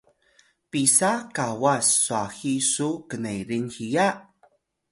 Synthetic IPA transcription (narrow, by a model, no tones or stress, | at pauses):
pisakawasːuaxisukənejɾinxija